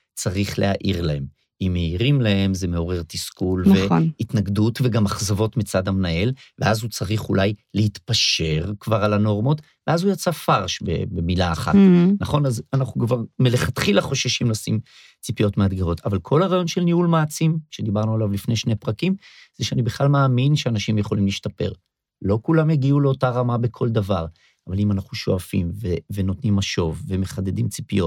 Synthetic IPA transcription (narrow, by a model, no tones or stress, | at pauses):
t͡saʁiχlehaʔiʁlahe̞m | imːeiʁimlae̞mze̞me̞o̞ʁe̞ʁt̪iskulvenit̪naɡdutveɡamaχzavo̞tmit͡sadamnae̞lveazhut͡saʁiχulajlehit̪paʃe̞ʁkvaʁalano̞ʁmo̞t | veazujat͡safaʁʃbḛbemilaːχa̰t̪naχo̞nazanaχnukvaʁmeleχat̪χilaχo̞ʃaʃimlasim | t͡sipijo̞tmead̪ɡaʁo̞tʰavalkʰo̞lhaʁaːjo̞nʃe̞lniulmaːt͡simʃe̞d̪ibaʁnualavlifne̞jʃnejpʁakimz̥eʃeanibeχlalmaːminʃeanaʃimjeχo̞limliʃtape̞̰ʁ | lo̞kulamjaɡiuleo̞taʁamabekʰo̞ld̪avaʁ | avalimanaχuʃo̞̰afḭmveveno̞t̪nimaʃo̞vːe̞me̞χade̞dimt͡si̥pijo̞t